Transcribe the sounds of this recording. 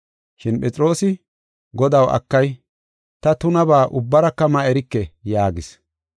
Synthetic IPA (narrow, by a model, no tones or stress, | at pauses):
ʃɪnpʼɛt͡sʼɪɾo̞ːsɪ | ɡɔd̪ɐwɐ̰kːɐj | t̪ɐt̪ʊnɐbaːʔʊbːɐɾɐkːɐmɐɛɾɪkːɛjaːɡɪs